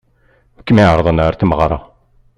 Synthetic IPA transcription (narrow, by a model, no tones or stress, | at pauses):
əkːmiʕəɾðˤənaɾθməʁɾˤɑ̰